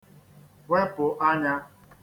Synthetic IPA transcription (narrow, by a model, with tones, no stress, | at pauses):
we˦pʊ˨ʔa˦ɲa˦